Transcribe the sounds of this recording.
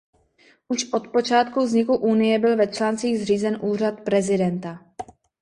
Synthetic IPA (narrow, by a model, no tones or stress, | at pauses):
ʔuʃʔo̞t̪po̞t͡ʃaːt̪kuvzɲɪkuʔunɪjɛbɪlvɛt͡ʃlaːnt͡siːɣzriːzɛnʔuːr̝at̪pɾɛzɪdɛnt̪a